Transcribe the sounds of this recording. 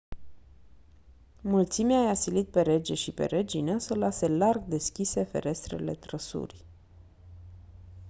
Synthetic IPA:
mult̪simeaːjasilit̪̚pe̞ɾe̞d͡ʒe̞ʃipe̞̰ɾʔed͡ʒinəsəlase̞larɡd̪e̞skʲise̞fe̞̰ɾʔe̞st̪ɾe̞̰le̞̰t̪ɾəsṵrʲ

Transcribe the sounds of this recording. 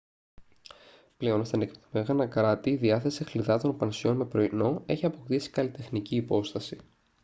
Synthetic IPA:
ple̞o̞nst̪ɐnekpt̪omeɣɐnɐkɾɐt̪iːðiɐθe̞sixliðɐt̪o̞npɐnsio̞nme̞pɾo̞ino̞e̞çiɐpo̞k̚t̪isi̥kɐlit̪e̞xniciːpo̞st̪ɐsi

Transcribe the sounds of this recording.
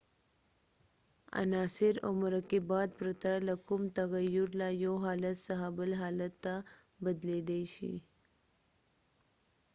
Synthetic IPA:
ə̰naːsiɾo̰mɾəkibad̪̚pɾət̪ɾaləkumt̪əɣəjːuɾlajoɦaːlət̪səɦabəlɦaːlət̪ːa | bəd̪led̪ejɕḭ

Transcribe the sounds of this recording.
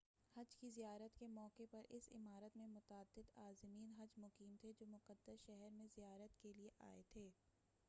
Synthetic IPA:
hɐd͡ʒkizijaːɾət̪kemɔːkepɐɾɪsɪ̰maːɾət̪mẽmʊt̪əd̪ːɪd̪aːzɪmiːnɦɐd͡ʒmʊqiːmt̪ʰed͡ʒoːmʊqəd̪ːəsʃɛɦɛɾmẽzijaːɾət̪kelieʔa̰ːet̪ʰeː

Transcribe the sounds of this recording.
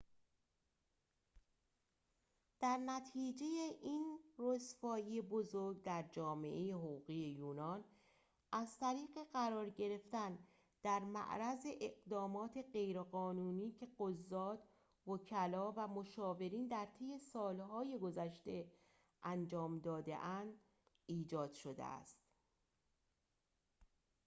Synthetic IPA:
d̪̥æɾnæt̪ʰiːd͡ʒe̞jeʔiːnrosfɒːjijebo̞zoɾɡd̪æɾd͡ʒɒːme̞̰ʔejeɦoɣuːɣiːje̞juːnɒːn | ʔæzt̪ʰæɾiːɣe̞ɢæɾɒːɾɟe̞ɾe̞ft̪æn | d̪̥æɾmæ̰ʔɾæzeʔeɢd̪ɒːmɒːt̪ʰe̞ɢe̞jɾeɢɒːnuːniːcʰe̞ɢozːɒːt̪ | vocʰælɒːvæmo̞ʃɒːve̞ɾiːnd̪æɾt̪ʰe̞je̞sɒːlhɒːje̞ɡo̞zæʃt̪e̞ | ʔænd͡ʒɒːmd̪ɒːd̪e̞̰ʔænd̪ | iːd͡ʒɒːd̪̥ʃo̞d̪ḛæ̰st̪

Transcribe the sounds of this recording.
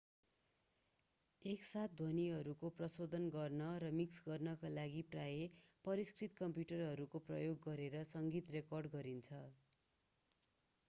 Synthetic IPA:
eksat̪̚ʰd̪ʱʌniɦʌɾukoprʌsod̪ʱʌnɡʌrnʌɾʌmiksɡʌrnʌkalaɡiprajepʌɾiskrit̪kʌmpjuʈʌrɦʌɾukoprʌ̰joɡːʌɾeɾʌsʌŋɡit̪rekʌrɖɡʌɾint͡sʰʌ

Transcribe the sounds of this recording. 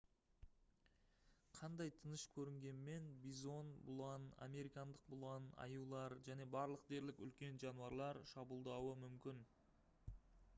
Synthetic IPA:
qʰɑnd̪ɑjt̪ʰənəʃkʲʰɵɾɪŋɡʲe̞nme̞nbizo̞nbʊlˠɑna̰me̞ɾijkɑnd̪əq̚bʊlˠɑnɑ̰julˠɑɾʒæne̞bɑɾlˠəq̚d̪e̞ɾlɪkʲʏ̰lkʲe̞nʒɑnuɑɾlˠɑɾʃɑbulˠd̪ɑwəmʏmkʲɪn

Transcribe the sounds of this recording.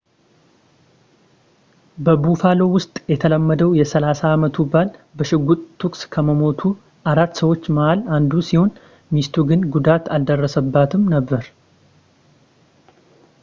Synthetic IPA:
bəbufalo̞wʊst̪ʼjɛt̪ʰələmːəd̪əwjɛsəlasaːmət̪ʰubalbəʃɪɡːut̪ʼt̪ʰːukʼskʰəməmo̞t̪ʰu | aɾat̪ːsəwo̞t͡ʃːməʔaland̪usiho̞n | mist̪ʰuɡɨnɡud̪at̪ald̪ərːəsəbːat̪ʰɨmnəbːəɾ

